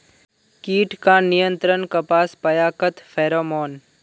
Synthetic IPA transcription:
kiːʈkaːnijə̃nt̪ɾənkɐpaːspɐjaːkət̪fʰɛːɾoːmɔːn

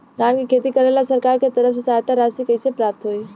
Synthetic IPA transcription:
daːnkikʰeːt̪ikəɾelasəɾkaːɾket̪əɾəfsesaːjt̪aɾaːsikəɪsepɾaːp̚t̪ɦoi

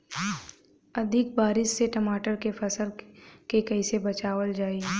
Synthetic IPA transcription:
ɐd̪ʱɪk̚baːɾɪʃseʈɐmaːʈəɾkefʰɐsəlkekɐɪsebɐt͡ʃaːʋəld͡ʒaːi

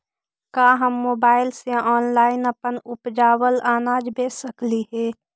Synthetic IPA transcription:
kaːɦəmːoːbaːɪlseʔɔːnlaːɪnəpənʊpd͡ʒaːwəlaːnaːd͡ʒbʱeːsəkliɦɛː

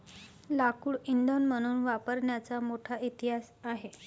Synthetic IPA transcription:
lakuːɭiɳd̪onm̤əɽ̃uːnʋapəɾɳjat͡samoʈʰait̪iɦas | aɦe

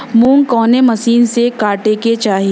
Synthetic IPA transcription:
mũːŋkɔːnemɐsiːnsekaːʈeket͡ʃaːɦie

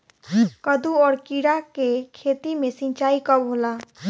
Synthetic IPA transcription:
kəd̪uɔːɾkiɽakekʰet̪imẽsĩɲt͡ʃaːikəbɦola

